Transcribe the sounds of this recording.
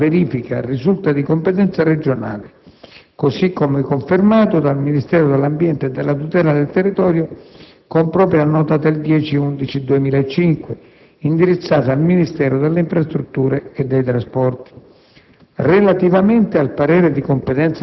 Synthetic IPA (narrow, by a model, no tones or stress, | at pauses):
veɾiːfika̰risult̪ad̪ikompet̪ɛnt̪sared͡ʒona̰ːlɪkosikːomɛkːoɱfɪrmaːt̪od̪alminist̪ɛːɾʊd̪elːambjɛnt̪ed̪ːelːat̪ut̪ɛːlad̪elt̪erːit̪ɔːɾjo | kompɾɔːpɾjanɔːt̪ad̪eld̪jɛːt͡ʃiund̪it͡ʃid̪uemiːlaet͡ʃːiŋkwe | ind̪iɾit̪sːaːt̪aalminist̪ɛːɾod̪elːeiɱfɾast̪ɾut̪ːuːɾeːd̪ːɛjt̪ɾaspɔrt̪i̥ | relat̪ivament̪ɪalpaɾɛːɾɪd̪ikompet̪ɛnt̪s